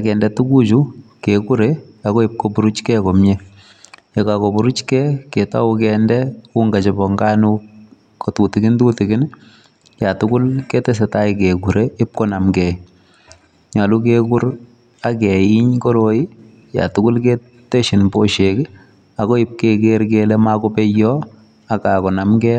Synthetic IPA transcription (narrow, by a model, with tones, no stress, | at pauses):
akɛ˨ndɛtu˦ku˦t͡ʃukeku˦ɾe | aɣɔ˦i˨p̚kobu˨ɾu˦t͡ʃkɛko˨mjɛ | je˨kakobu˨ɾu˦t͡ʃkɛketa̰˦ukɛndɛu˦ŋɡa˨t͡ʃɔ˨bɔ˨ŋɡa˦nu˦ | kɔ˨tu˨tɪɡɪ˦ntu˦tɪ˨ɡɪ˦n | ja˨tʊkʊ˦lkɛ˦tɛ˦s̬ɛta˦iɪkeku˨ɾe˦ɪ˦p̚kɔ˦na˨mkɛ˨ | ɲa˨lu˦k̬eku˦ɾ | a˦kɛ˨i˦ɲkɔ˦ɾo˨i˦ | ja̰˨tʊkʊ˦lke | te˦ʃɪ˨npo˦ʃek | a˨kɔ˦ɪ˦p̚ke˦keɾkelɛ˦ma˦kɔ˦pɛ˦jːɔ | a˨ka˨kɔ˨na˨mkɛ